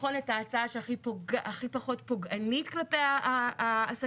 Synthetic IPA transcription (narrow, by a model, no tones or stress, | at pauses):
χo̞netaːt͡saaʃeaχipoɡaʔaχipaχo̞tpoɡʔanitklapeaː | s